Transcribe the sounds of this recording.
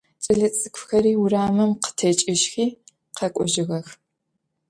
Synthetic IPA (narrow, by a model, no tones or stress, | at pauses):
t͡sʼɨɮɐt͡sʼɨkʷʰxɐɾiːʊraːmɨmqə̥tʰɐt͡ʃʼɪʃxiː | qʰɐkʷʼɔʒɪɣɐx